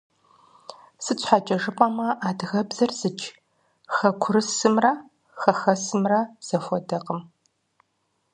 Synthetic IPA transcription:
sɨt͡ɕʷʰħat͡ʃʼɐʒɨpʼɐmɐʔaːdɣɐbzɐrz̥ɨt͡ʃ | xɐkʷʰʊɾɨsɨmrɐ | xɐxɐsɨmrɐz̥ɐfʷɔdɐqəm

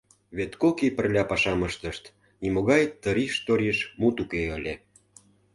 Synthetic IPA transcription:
βet̪kokipə̆rlʲɑpɑʃɑməʃt̪ə̆ʃt̪ | nimoɣɑjt̪ːə̆ɾiʃt̪oɾʲiʃmut̪ukeəlʲe

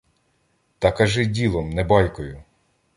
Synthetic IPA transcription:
t̪ɐkɐʒɪdʲilˠɔmnɛbɑjkɔjʊ

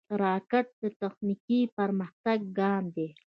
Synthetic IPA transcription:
ɾaːkaʈ̪̚d̪ət̪axnikipaɾməxt̪aɡ̚ːɑːmd̪e

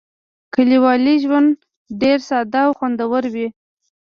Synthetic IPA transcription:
kəliwɑliʒwand̪ | ɖeɾsɑd̪aːwxwand̪awəɾwi

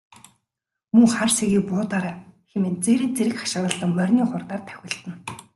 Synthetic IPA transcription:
mɵŋχarseɣiːpʊːt̪aɾaːxemĕːnt͡seːɾiːnt͡seɾɘ̆kχḁʃ̆ɾə̆ɮə̆ŋmœrʲniːχʊrt̪aːrt̪ʰæ̥xʲɪ̆ɬt̪ɘ̆n

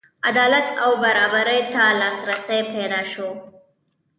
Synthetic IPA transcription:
ad̪ɑlat̪awbaɾɑbaɾəjt̪alɑsɾasəjped̪ɑʃo

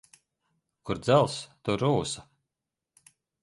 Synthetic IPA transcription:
kuɾd̪zælˠst̪uɾuːsḁ

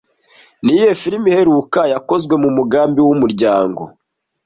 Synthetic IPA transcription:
nije̞fiɾimihe̞ɾukajako̞zɡwe̞mumuɡaːmbiwumuɾɟaːŋɡo̞̰

